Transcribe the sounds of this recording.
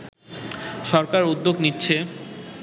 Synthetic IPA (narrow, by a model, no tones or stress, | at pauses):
ʃɔɾkaɾud̪ːoɡnitːɕʰe